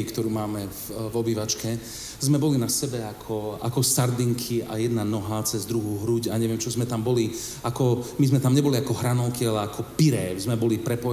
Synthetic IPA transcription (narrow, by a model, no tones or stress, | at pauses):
ikt̪ɔɾuːmaːmɛ | vɔbiːʋat͡ʃkɛ | zmɛbɔlinasɛbɛakʰɔa̰kɔsaɾd̪iŋkʰia̰jɛd̪nanɔɦat͡sɛzd̪ɾuɦuːɦɾuɟaɲɛʋɪɛmt͡ʃɔzmɛt̪ambɔli | akɔmizmɛt̪amɲɛbɔliakɔɦɾanɔʊkialɛakʰɔpiɾɛːzmɛbɔlipɾɛpɔ